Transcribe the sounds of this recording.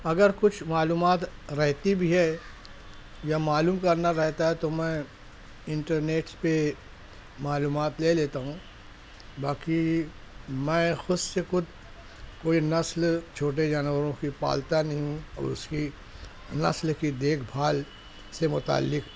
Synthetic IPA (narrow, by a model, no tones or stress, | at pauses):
ɐɡəɾkʊt͡ʃʰmaːluːmaːt̪ɾɛɦt̪ibʱiɦɛ | jamaːluːmkɐɾnaɾɛɦt̪aɦɛt̪omɛ̃ | ɪ̃ɳʈəɾneːʈspe | maːluːmaːt̪leːleːt̪aɦũː | baːki | mɛ̃ːxʊssexʊd̪ʱ | koːinɐslt͡ʃʰoːʈ̬ed͡ʒaːnʋəɾõkipa̰ːlt̪anɐɦĩɦũɔ̰ːɾʊski | nɐ̰slkid̪eːkʰbʱaːl | semʊt̪a̰ːlːɪk